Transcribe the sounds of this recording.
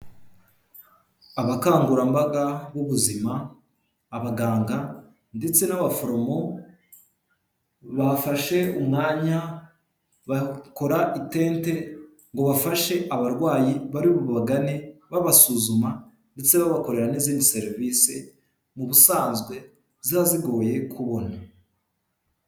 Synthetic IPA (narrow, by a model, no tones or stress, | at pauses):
aβakaːŋɡuɾambaɡaβuβuzimaː | βaɡaːŋɡa | nde̞t͡se̞naβafo̞ɾo̞mo̞ | βafaʃe̞umŋaːɲa | βako̞ɾaʔite̞ːnte̞ | ŋɡo̞βafaʃe̞ʔaβaɾɡwaːjiβaɾiβuβaɡane̞βaβasuːzuma | nde̞t͡se̞βaβako̞ɾe̞ɾaniziːndise̞ɾiviːse | muβusaːnzɡwe̞ | zaaziɡo̞ːje̞kʰuβo̞na